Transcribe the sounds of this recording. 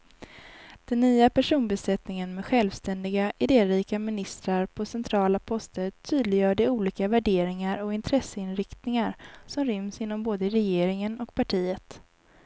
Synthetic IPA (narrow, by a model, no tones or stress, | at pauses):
d̪̥ɛnːyːapæʂuːnbɛsɛt̪nɪŋənmɛɧɛlvst̪ɛnd̪ɪɡaʔɪd̪eːɾiːkamɪnɪst̪ɾaɾpʰɔsɛnt̪ʰɾɑːlapʰɔst̪əɾt̪ʰyːd̪lɪjœːɖɛuːliːkavæɖeːɾɪŋaɾɔɪnt̪ʰɾɛsːəɪnɾɪkt̪nɪŋaɾsɔmɾʏmsɪn̪ːɔmboːd̪əɾɛjeːɾɪŋənɔkpʰaʈʰiːət̪